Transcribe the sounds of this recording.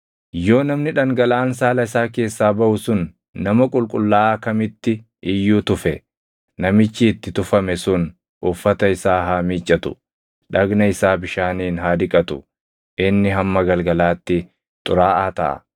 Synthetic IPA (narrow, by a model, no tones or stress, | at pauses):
jo̞ːnɐmnɪᶑɐŋɡɐlaːnsaːlɐɪsaːk̬e̞ːsːaːbɐʔʊsʊnː | ɐmɐkʼʊlkʼʊlːaːkɐmɪt̪ːɪ | ɪjːuːt̪ʊfɛ | nɐmɪt͡ʃːiːt̪ːɪt̪ʊfɐmɛsʊn | ʔʊfːɐt̪ɐɪsaːɦaːmiːt͡ʃʼːɐt̪ʊ̥̰ | ᶑɐɡnɐɪsaːbɪʃaːniːnɦaːd̪ɪkʼɐt̪ʊ | ʔɪnːɪɦɐmːɐɡɐlɡɐlaːt̪ːɪ | t̪ʼʊɾaːʔaːt̪ɐ̰ʔɐ̰